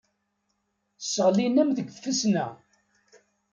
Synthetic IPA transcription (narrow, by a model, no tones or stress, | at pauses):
səʁlinæmðəɡʷfəsnæ